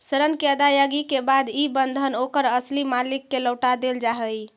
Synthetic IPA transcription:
səɾənkeəd̪ajaɡikebad̪ibənd̪ʱənokəɾəslimalikːeləwʈad̪eld͡ʒaɦəj

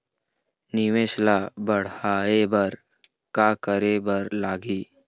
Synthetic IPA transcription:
nɪʋeːʃlabəɽ̤aːebɐɾ | kakəɾebəɾlaːɡiː

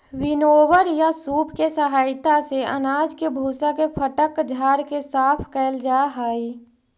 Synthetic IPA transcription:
wɪnoːwəɾjasuːpkesəɦaːɪt̪aseə̰naːd͡ʒkebʱuːsakepʰəʈəkd͡ʒʱaːɾkesaːpʰkɛːld͡ʒaːɦaːi

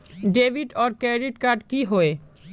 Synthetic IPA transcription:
ɖebʱiɖɔɾkɛɖiʈkaɾɖkiɦoe

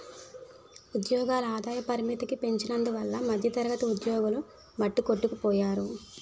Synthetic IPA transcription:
ud̪jɔːɡaːlɐaːd̪aːjɐpɐɾimit̪ikipe̞ɲt͡ʃinɐnd̪uʋɐlːɐmɐd̪ʱjɐt̪ɐɾɐɡɐt̪ɐud̪jɔːɡulu | mɐʈːukoʈːukupɔːjaːɾu

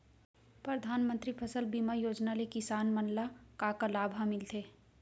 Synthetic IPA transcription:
pɾəd̪ʱaːnmə̃nt̪ɾipʰəsəlbiːmajoːd͡ʒnalekɪsaːnmɐnlakakalaːbʱãmɪlt̪eː

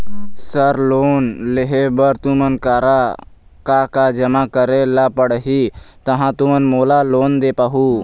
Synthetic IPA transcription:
səɾloːnleɦebəɾt̪umənkaɾa | kakad͡ʒəmakəɾelapəɽɦit̪əɦãt̪umənmoːlaloːnd̪epaɦu

